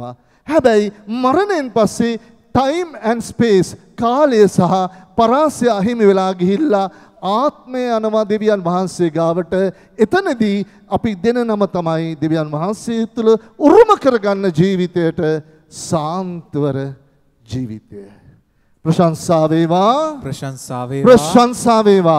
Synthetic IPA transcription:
hɛbæjmaɾəneenpasːe | ʈajmɛɳɖspeːskaːlejəsɐɦapaɾaːsjɐɦimiʋelaːɡiɦilːa | aːt̪̚mejanɐʋad̪eʋijanʋɐɦansejɡaːʋəʈə | et̪əned̪i | ɐpid̪enənɐmɐt̪ɐmaid̪eʋijanʋɐɦanseːt̪uləuɾuməkəɾɐɡanːɐd͡ʒiːʋit̪ejəʈə | saːnt̪ʋəɾə | d͡ʒiːʋit̪ejə | pɾɐʃansaːʋeːʋaː | pɾɐʃansaːʋeːʋaː

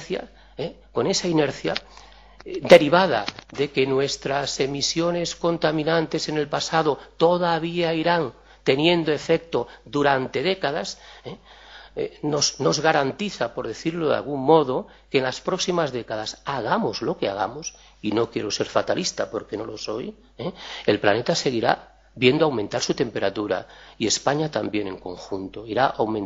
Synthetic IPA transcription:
θja̰ | eko̞ne̞saineɾθja̰ | d̪e̞ɾiβað̞a̰ðe̞ke̞nwe̞st̪ɾase̞misjo̞ne̞sko̞nt̪amĩnãnt̪e̞se̞ne̞lpasaðot̪o̞ðaβiaiɾaŋ | t̪e̞njẽ̞nd̪oefek̚t̪od̪uɾant̪e̞ðekaðase | enosno̞zɣaɾant̪iθapo̞ɾðeθiɾloð̰a̰lɣuŋmo̞ð̞o | ke̞ːnlaspɾo̞ksimazðekaðasaɣ̞amozlo̞keaɣ̞a̰mos | ino̞kjeɾo̞se̞ɾfat̪alʔist̪apo̞ɾkeno̞lo̞so̞j | eelplane̞t̪ase̞ɣ̞iɾa̰ | βje̞nd̪oawmẽ̞nt̪aɾsut̪e̞mpe̞ɾat̪uɾa̰ie̞spaɲat̪ambje̞ne̞ŋko̞̰ŋxunt̪o̞iɾaʔawmẽn

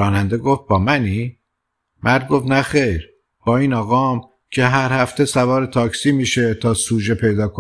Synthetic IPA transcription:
ɒːnænd̪e̞ɡoft̪̚bɒːmæniː | mʔæɾd̪̚ɡo̞ft̪næxejɾ | b̥ɒːiːnɒːɣɒːm | cʰe̞ɦæɾhæft̪ʰe̞sævɒːɾet̪ʰɒːcsiːmiːʃe̞t̪ʰɒːsuːd͡ʒe̞pʰe̞jd̪ɒːkʰo

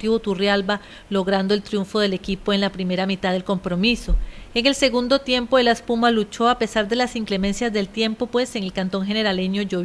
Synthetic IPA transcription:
t̪iβot̪urjalba | lo̞ɣɾand̪o̞elt̪ɾjuɱfo̞ðe̞le̞kipo̞e̞nlapɾime̞ɾamit̪aðe̞lko̞mpɾo̞miso̞e̞ŋe̞lse̞ɣund̪o̞t̪je̞mpoelaspumalut͡ʃo̞ape̞saɾd̪e̞lasiŋkle̞mẽ̞nsjazd̪e̞lt̪je̞mpo̞pwe̞se̞ŋe̞lkant̪o̞ŋɦe̞ne̞ɾale̞ɲo̞ʝo

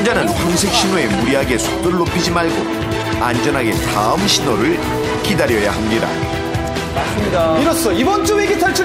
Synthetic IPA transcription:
nd͡ʑanɯnpoŋsʰe̞k̚ɕ͈inoe̞muɾiɦaɡe̞sʰu̥k̚t͈ɯɾɯɭːopʰid͡ʑimaɭɡo | and͡ʑʌnɦaɡe̞taɯmɕʰinoɾɯɭ | kidaɾjʌjaɦamɲida̰ | asɯmɲidaiɾʌs͈ʌibʌnt͡ɕ͈uweɡitʰaɭt͡ɕʰu

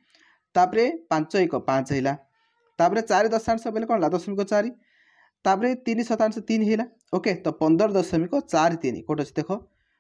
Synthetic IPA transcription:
t̪apɾepãnt͡sʌjkopãt͡sɦʌjla | t̪apɾet͡saɾid̪ʌsansʌbjlakɔnlad̪ʌsʌmikot͡saɾi | t̪apɾet̪inisʌt̪ansʌt̪inɦʌjla | oket̪ʌpʌnd̪ʌɾd̪ʌsʌmikot͡ʃaɾit̪inḭkoʈot͡sʰi̥d̪ekʰo

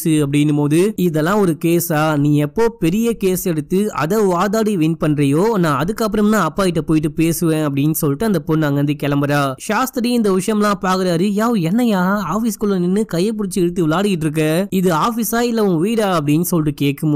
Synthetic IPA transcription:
sɯɐp̬ːɐɽɪnːɯmoːðɯɪðɛlːãːɔɾɯkeːsaːnĩːɛpːoːpɛɾɪjɐkeːsɛɽɯt̪ːɯɐ̰ðɐʋaːðaːɽiʋɪnpɐɳːɾɐjoːnãːɐðɯkːɐp̬ːɯɾɐmnãːɐpːaːɪʈ̬ːɐpoːjɪʈ̬ːɯpeːsɯʋẽːɐpːɐɽɪnːɯsɔlːʈːɯɐnd̪ɐpoːnnaːŋɡɐʋɐnd̪ɯkɛlɐmbɐɾaːʃaːst̪ɐɾiɪnd̪ɐʋɪʂɐjɐmlãːpaːɾkɯɾaːɾɯjaːʋɯɛnːɐjaːaːfiskʊlːɐnɪnːɯkɐjːɐp̬ʊɽɪt͡ʃːɯɛɽɯt̪ːɯʋɪlaːɽɯɣɪʈːɾɯk̬ːɐɪðɯaːfisaːɪlːɐʊ̃ʋiːɽaːɐp̬ːɐɽɪnːɯsɔlːʈːɯkeːʈkːɯm

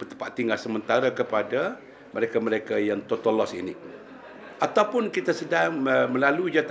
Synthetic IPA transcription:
pət̪əpat̪ːiŋɡasəmənt̪aɾakəpada | məɾekaməɾekajaŋt̪ot̪olɔsḭnḭ | ʔat̪awpʊnkit̪asədaŋəməlalud͡ʒat̪

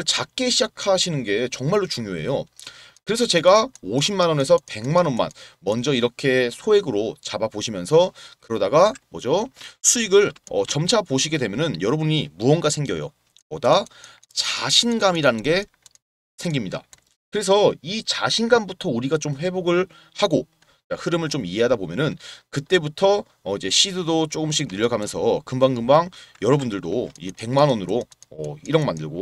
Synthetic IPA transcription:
ɭt͡ɕak͈e̞ɕʰid͡ʑakʰaɕʰinɯnɡe̞t͡ɕʌŋmaɭːot͡ɕuŋjoe̞̰jokɯɾe̞sʰʌt͡ɕe̞ɡaoɕʰimːanʌne̞sʰʌpe̞ŋmanʌnma̰nmʌnd͡ʑʌiɾʌkʰe̞sʰoe̞ɡɯɾot͡ɕabapoɕʰimjʌnsʰʌkɯɾʌdaɡamʌ̰d͡ʑosʰuiɡɯɭʌ̰t͡ɕʌmt͡ɕʰapoɕʰiɡe̞dwe̞mjʌnɯnjʌɾʌbuɲimuʌnɡasʰe̞ŋɡjʌ̰jo̰ | poda | t͡ɕaɕʰinɡamiɾanɯnɡe̞ | sʰe̞ŋɡimɲida̰ | kɯɾe̞s̬ʰʌit͡ɕaɕʰinɡambutʰʌuɾiɡat͡ɕomɸwe̞boɡɯɭ | haɡo | kahɯɾɯmɯɭt͡ɕomiɦeɦadabomjʌnɯnkɯt͈e̞butʰʌ | id͡ʑe̞ɕʰidɯdot͡ɕ͈oɡɯmɕʰik̚nɯʎːʌɡamjʌnsʰʌkɯmbaŋɡɯmbaŋjʌɾʌbundɯɭdoḭd͡ʑepe̞ŋmanʌnɯɾoʌiɾʌnmandɯɭɡo

